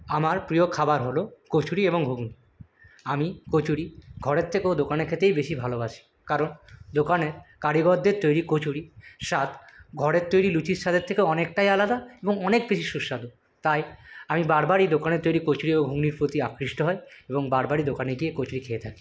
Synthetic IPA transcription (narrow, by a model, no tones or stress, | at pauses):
amaɾpɾiokʰabaɾɦolokot͡ɕʰuɾieboŋbʱuɡni | amikot͡ɕuɾiɡʱɔɾeɾt̪ʰekeod̪okaneɾkʰet̪ejbeʃibʱalobaʃi̥ | kaɾond̪okaneɾkaɽiɡɔɾd̪ːeɾt̪ojɾikot͡ɕʰuɾiʃat̪ɡʱɔɽeɾt̪ojɾilut͡ɕiɾʃat̪ʰeɾt̪ʰekeɔnek̚ʈajalad̪aeboŋɔnek̚beʃiʃuʃːad̪o | t̪ajamibaɾbaɾid̪okaneɾt̪ojɾikot͡ɕuɾieboŋbʱuɡniɾpɾot̪iakɾiʃʈoɦɔeeboŋbaɾbaɾid̪okaneɡiekot͡ɕʰuɾikʰeet̪ʰaki̥